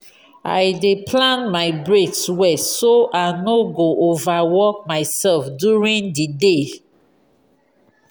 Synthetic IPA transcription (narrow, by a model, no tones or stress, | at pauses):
a̰jdepʰlãnmaɪbɹetswɛsoʔanoɡoʔovawɔk̚maɪsɛlfdjuɹĩndide